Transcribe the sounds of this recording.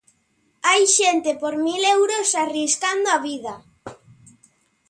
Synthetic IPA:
ajʃent̪epoɾmilewɾosariskand̪oaβiðɐ

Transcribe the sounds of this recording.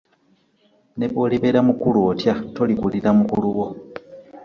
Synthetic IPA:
ne̞βo̞ːliβe̞ːɾamukuluotjato̞likuliɾamukuluɣo

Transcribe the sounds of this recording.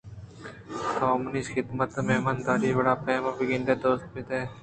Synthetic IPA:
t̪ʰaːmʊniːsxɪd̪mət̪ːɐmeːmɐnd̪aːɾiʋɐɽaːpeːmɐbiɡind̪eːd̪oːst̪̚mit̪eː

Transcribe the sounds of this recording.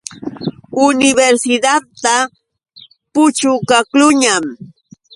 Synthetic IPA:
ʊnɪbeɾsɪd̪aa | pʊt͡ʃʊkaklʊɲam

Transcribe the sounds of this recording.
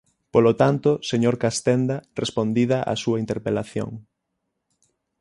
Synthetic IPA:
polot̪ant̪ʊseɲoɾkast̪ɛnd̪ɐrʔespond̪iðɐʔa̰suɐint̪eɾpelaθjo̰ŋ

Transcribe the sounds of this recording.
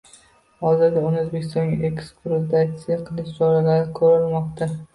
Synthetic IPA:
hɒzɪɾd̪aʊnɪɵzbe̞kʲʰɪst̪ɒnɡʲaʔekspɾod̪at̪sɪjaqʰɨlˠɪʃd͡ʒɒɾalaɾɪkʰɵɾɪlˠmɒqt̪a

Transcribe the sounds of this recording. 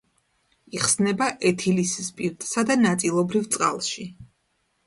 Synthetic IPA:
iχsnɛbaʔɛt̪ʰilisispʼiɾt̪ʼsad̪anat̪sʼilˠɔbɾivt̪sʼqʼa̰lˠʃi

